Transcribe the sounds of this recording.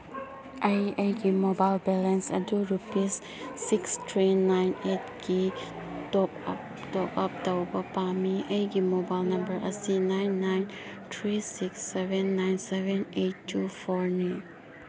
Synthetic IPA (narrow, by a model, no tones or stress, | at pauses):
ʔajejɡimobajlbɛlɛ̃nsa̰duɹupisː | ikstʰɹinajnet̚ɡi | dɔp | dɔpap̚daubapamiʔejɡimobajlnɐ̃mbəɹʔasinajnːajntʰɹisiksːɛvɛ̃nːajnsɛvɛ̃nʔetːufɔɹnan